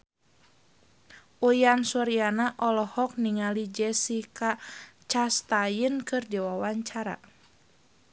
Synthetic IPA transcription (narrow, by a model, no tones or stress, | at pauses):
ʔujansɔɾianaʔɔlɔhɔk̚niŋalid͡ʒɛsikat͡ʃast̪ajənkɨrdiwawaɲt͡ʃaɾa̰